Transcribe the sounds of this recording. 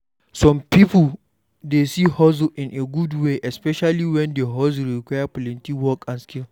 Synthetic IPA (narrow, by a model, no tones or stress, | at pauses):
sɔmpipʊl | desiːhɔz̬ʔɪnʔeɡudweʔɛspɛʃaliwɛndeɦɔz̬lɾikʷajapʊlɪntiwɔkʼanskʲɪl